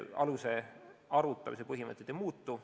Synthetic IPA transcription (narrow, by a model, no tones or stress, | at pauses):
ɑ̰luse̞ɑɾut̪ˑːɑmise̞pɤɦimɤ̰t̪ːˑed̪̥ejmuːt̪ːˑu